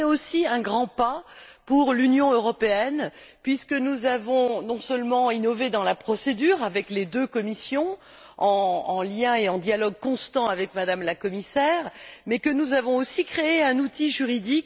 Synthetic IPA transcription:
ɛosiɛ̃ɡʁɑ̃papuʁlynjɔ̃øʁɔpeɛn | pɥiskənuzavɔ̃nɔ̃sœlmɑ̃inɔved̪ɑ̃lapχɔsed̪yʁavɛkled̪økɔmisjɔ̃ | ɑ̃ːljɛ̃eɑ̃d̪jalɔɡ̚kɔ̃st̪ɑ̃avɛkmad̪amlakɔmisɛːʁmɛkənuzavɔ̃osikχeeɛ̃nut̪iʒyʁid̪ik

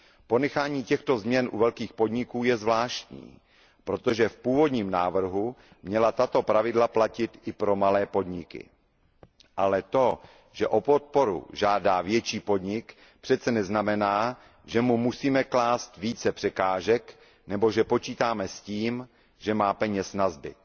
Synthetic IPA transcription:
po̞nɛxaːɲiːcɛxt̪o̞zmɲɛnʔṵvɛlkiːxpo̞dɲɪkuːjɛzvlaːʃt̪ɲḭː | pɾo̞t̪o̞ʒɛfpuːvo̞dɲiːmnaːvr̩ɦu | mɲɛlat̪at̪o̞pɾavɪdlaplacɪt̪ʔɪpɾo̞malɛːpo̞dɲɪkɪ̰ | ʔalɛt̪o̞ | ʒ̥ɛʔopo̞t̪̚po̞ɾṵʒaːdaːvjɛt͡ʃiːpo̞dɲɪk | pr̝̥ɛt̪t͡sɛnɛznamɛnaː | ʒɛmumusiːmɛklaːst̪viːt͡sɛpr̥ɛkaːʒɛk | nɛbo̞ʒɛpo̞t͡ʃiːt̪aːmɛsciːm | ʒ̥ɛmaːpɛɲɛsnazbɪ̰t̪̚

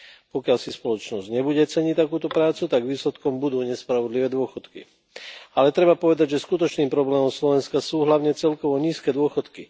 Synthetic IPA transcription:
pɔkɪalsispɔlɔt͡ʃnɔzɟɲɛbuɟɛt͡sɛɲict̪akuːt̪ɔpɾaːt͡sut̪aɡʋiːslɛt̪kɔmbud̪uːɲɛspɾaʋɔd̪liʋɛːd̪ʊɔxɔt̪kḭ | alɛt̪ɾɛbapɔʋɛd̪aɟʒɛskut̪ɔt͡ʃniːmpɾɔblɛːmɔmslɔʋɛnskasuːɦlaʊɲɛt͡sɛlkɔʋɔɲiːskɛːd̪ʊɔxɔt̪ki

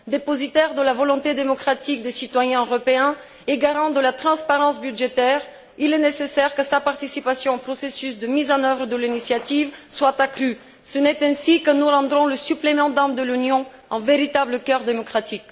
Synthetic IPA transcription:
d̪epɔzit̪ɛʁd̪əlavɔlɔ̃t̪ed̪emɔkχat̪ik̚d̪esit̪wajɛ̃øʁɔpeɛ̃ | eɡaʁɑ̃d̪əlat̪χɑ̃spaʁɑ̃sbyd̪ʒet̪ɛːʁ | ilɛnesesɛʁkəsapaʁt̪isipasjɔ̃ɑ̃pχɔsesysd̪əmizɑ̃nœvʁəd̪əlinisjat̪ivswat̪akχy | sənɛt̪ɛ̃sikənuʁɑ̃d̪ʁɔ̃ləsyplemɑ̃d̪amd̪əlynjɔ̃ | ɑ̃veʁit̪abləkœʁd̪emɔkχat̪ik

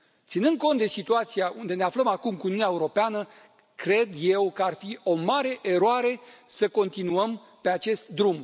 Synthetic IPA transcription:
t̪sinɨnd̪̚ko̞nt̪d̪e̞sit̪uat̪siaʔund̪e̞neafləmakumkuːniunaeuɾo̞peanə | kɾe̞d̪je̞wkəarfio̞maɾe̞ʔeɾoaɾe̞səko̞nt̪inuəm | pe̞at͡ʃe̞st̪d̪ɾum

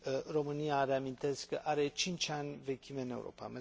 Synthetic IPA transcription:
ro̞mɨniaɾe̞amint̪e̞skkəʔaɾe̞t͡ʃint͡ʃʲanʲve̞kʲimeɨne̞ṵɾʔo̞̰pa̰me

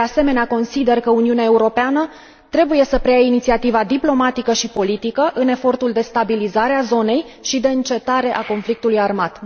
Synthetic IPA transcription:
d̪ease̞me̞neako̞nsid̪e̞rkəuniuneae̞uɾo̞peanə | t̪ɾe̞buje̞səpɾejainit̪siat̪ivad̪iplo̞mat̪ikəʃipo̞lit̪ikəʔɨne̞fo̞rt̪uld̪e̞st̪abilizaɾeazo̞ne̞jʃid̪e̞ɨnt͡ʃe̞t̪aɾe̞ʔako̞nflik̚t̪ulujarmat̪

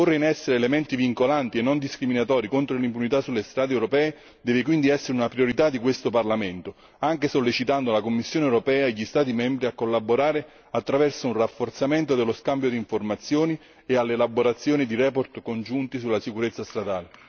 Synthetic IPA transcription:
porːeinɛsːeɾelement̪iviŋkolant̪ienːond̪iskɾiminat̪ɔːɾikont̪ɾolimpunit̪asːulːest̪ɾaːd̪eɛwɾopɛːe | d̪ɛːvɪkwind̪iɛsːeɾeunapɾioɾit̪ad̪ikwest̪oparlament̪o | aŋk̟esolːet͡ʃit̪and̪olakomːisːjoːneɛwɾopɛːaeʎːist̪aːt̪̬imɛmbɾiakːolːaboɾaːɾe | at̪ːɾavɛrsounrafːort̪sament̪od̪elːoskambjod̪iːɱformat̪sːjoːni | ealːeːlaboɾat̪sːjoːnid̪iɾɛːpoɾt̪kond͡ʒunt̪isulːasikuɾet̪sːast̪ɾad̪aːle

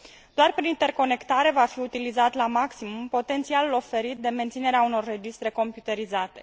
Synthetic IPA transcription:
d̪̥oarpɾinint̪e̞rko̞ne̞kt̪aɾe̞vafiut̪ilizat̪lamaksimumpo̞t̪e̞nt̪sialulo̞fe̞ɾit̪̚d̪e̞me̞nt̪sine̞ɾeauno̞rːe̞d͡ʒist̪ɾe̞ko̞mpjut̪e̞ɾizat̪e̞

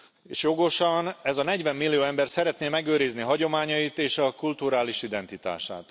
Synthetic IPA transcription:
ḛːʃjoɡo̞ʃɒnɛzɒnɛɟʋɛmːilːijoːɛmbɛrt̪sɛɾɛt̪neːmɛɡøːɾizniɦɒɟo̞maːɲɒjit̪eːʃɒkult̪uɾaːliʃid̪ɛnt̪it̪a̰ːʃa̰ːt̪

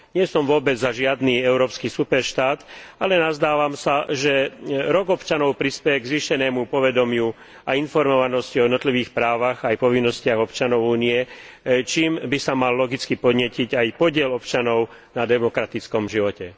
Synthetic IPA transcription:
ɲɪɛsɔmʋʊɔbɛd͡zzaʒɪad̪niːɛʊɾɔːpskisupɛɾʃt̪aːt̪alɛnazd̪aːʋamsaʒɛɾɔɡɔpt͡ʃanɔʊpɾispɛjɛɡzʋiːʃɛnɛːmupɔʋɛd̪ɔmɪu | ainfɔɾmɔʋanɔsciɔjɛd̪nɔt̪liʋiːxpɾaːʋaɣajpɔʋinːɔscɪaɣɔpt͡ʃanɔʊuːniɛ | t͡ʃiːmbisamalːɔɡit͡skipɔd̪ɲɪɛciɟajpɔɟɪɛlɔpt͡ʃanɔʊ | nad̪ɛmɔkɾat̪it͡skɔmʒiʋɔcɛ

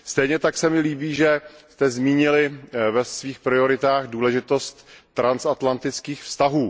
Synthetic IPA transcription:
st̪ɛjɲɛt̪aksɛmɪliːbiːʒɛst̪ɛzmiːɲɪlɪvɛsviːxpɾɪo̞ɾɪt̪aːɣduːlɛʒɪt̪o̞st̪ːɾansat̪lant̪ɪt͡skiːxfst̪aɦuː

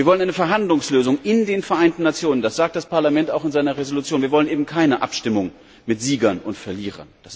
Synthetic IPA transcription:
viːɐvɔlənʔaɪnəfɛɐɦandlʊŋsløːzʊŋʔɪndeːnfɛɐʔaɪntn̩ːat͡sjoːnəndasz̥aːk̚td̥aspʰaɐlamɛntaʊxɪnzaɪnɐʁezolut͡sjoːnviɐvɔlənʔeːbm̩kʰaɪnəʔa̰pʃtɪmʊŋ | mɪtz̥iːɡɐnʔʊntfɛɐliːʁɐ̰nd̥as

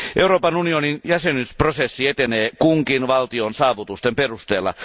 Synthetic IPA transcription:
ʔeuroːpɑnunioninjæsenysprosesːiet̪eneːkuŋkinʋɑlt̪ionsɑːʋut̪ust̪emperust̪eːlːɑ̰

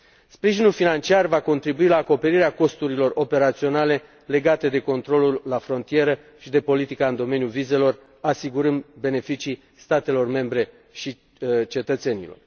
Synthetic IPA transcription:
spɾiʒinulfinant͡ʃiarvako̞nt̪ɾibuilaːko̞pe̞ɾiɾeako̞st̪uɾilo̞ro̞pe̞ɾat̪sio̞nale̞ | le̞ɡat̪e̞d̪e̞ko̞nt̪ɾo̞lulːafɾo̞nt̪ije̞ɾə | ʃid̪e̞po̞lit̪ikaɨnd̪o̞me̞njulvize̞lo̞r | asiɡuɾɨnd̪be̞ne̞fit͡ʃi | st̪at̪e̞lo̞rme̞mbɾe̞ | ʃi | t͡ʃe̞t̪ət̪se̞nḭlo̞̰r

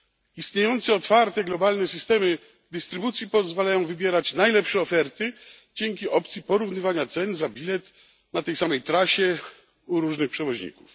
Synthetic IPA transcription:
ist̪ɲejɔnt̪sɛɔt̪faɾt̪ɛɡlɔbalnɛsɘst̪ɛmɘ | d̪ɘst̪ɾɘbut̪sʲjipɔzvalajɔ̃w̃vɘbʲjɛɾat͡ɕnajlɛpʂɛɔfɛɾt̪ɘ | d͡ʑɛŋk̬ʲiʔɔp̚t̪sʲjipɔɾuvnɘvaɲat̪sɛnzabʲilɛt̪ | nat̪ɛjsamɛjt̪ɾaɕɛ | uɾuʐnɘxpʂɛvɔʑɲḭku̥f

